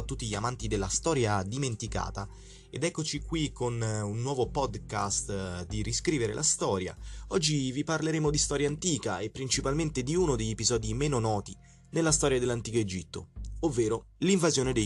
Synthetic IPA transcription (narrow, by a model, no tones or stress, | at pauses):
t̪ːut̪ːiʎiamant̪id̪elːast̪ɔːɾjad̪iment̪ika̰ːt̪a | ed̪ɛkːot͡ʃikːwikʰːonunːwɔːvopɔd̪kast̪d̪iriskɾiːveɾḛlʔast̪ɔːɾja̰ɔd͡ʒːiviparleɾeːmod̪ist̪ɔːɾjant̪iːkaepːɾint͡ʃipalment̪ed̪iuːnod̪eʎːepizɔːd̪imeːnonɔːt̪i | nelːast̪ɔːɾjad̪elːant̪iːkoed͡ʒit̪ːo̰ovːeːɾoliɱvazjoːned̪e